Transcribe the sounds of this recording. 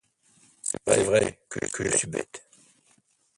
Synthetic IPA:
asɛvʁɛkʰəkʰəʒəsybɛ̰t̪

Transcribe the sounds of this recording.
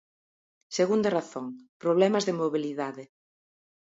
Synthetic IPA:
seɣund̪ɐraθoŋpɾoβ̞lɛmɐzðemoβiliðaðɪ

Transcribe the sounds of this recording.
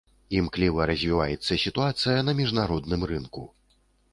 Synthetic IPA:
imklʲivɐɾɐzʲvʲivajɛt̪sːɐsʲit̪uat̪sɨjɐnɐmʲiʐnaɾɔd̪nɨmrɨnku

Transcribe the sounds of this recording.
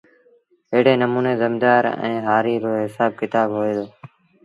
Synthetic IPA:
ɪɦɽeːnəmuːneːzəmd̪aːɾɛ̰̃ːɦaːɾiːɾoːɦɪsaːb̚kɪt̪aːbɦoːeːd̪oː

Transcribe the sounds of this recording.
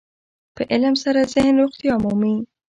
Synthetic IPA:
pəʔɪləmsaɾazɪhnɾʊxt̪ijɑmumin

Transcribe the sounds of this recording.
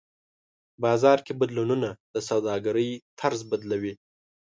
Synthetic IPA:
bɑzɑɾkebad̪lununad̪̥əs̬awd̪ɑɡaɾəjt̪ʰaɾzbad̪lawi

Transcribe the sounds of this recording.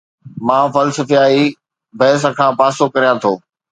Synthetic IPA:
mãːfɐlsəfiaːi | bʱɐɦɪs̬əkʰãːpaːsokɐɾijãt̪ʰoː

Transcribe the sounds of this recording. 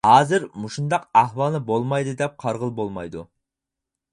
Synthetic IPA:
hɑːzɪɾmuʃund̪ɑqæhwɑlˠnɨbolˠmɑjd̪ɨd̪ɛp̚qʰɑɾʁəlˠbolˠmɑ̰jd̪ṵ

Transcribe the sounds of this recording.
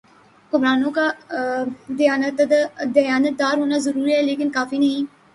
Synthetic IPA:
kʊmɾaːnõka | d̪ɪjaːnət̪d̪d̪əjaːnət̪̚d̪aːɾɦoːnazəɾuːɾiɦɛːleːkɪnkaːfiːnɐɦĩː

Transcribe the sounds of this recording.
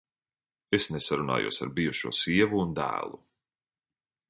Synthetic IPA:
esnesaɾuna̰ːjṵɔsa̰ɾbijuʃuɔsiɛvuːnd̪æ̰ːlˠu

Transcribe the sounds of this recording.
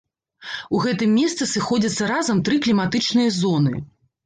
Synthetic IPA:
uɣɛt̪ɨmʲːɛst̪sɨsɨxɔd͡zʲɐt̪sːɐɾazɐmt̪ɾɨklʲimat̪ɨt͡ʂnɨjɐzɔnɨ̰

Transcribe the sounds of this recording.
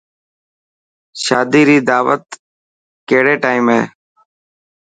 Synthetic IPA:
ʃaːd̪iːɾiːd̪aːʋət̪ | keːɽeːʈaːimɦḛː

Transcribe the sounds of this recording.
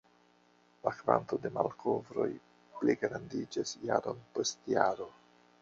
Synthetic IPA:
lakva̰nto̞de̞malkʰo̞vɾo̞̰j | pleɡɾandid͡ʒasjaɾo̞npo̞stjaɾo̞

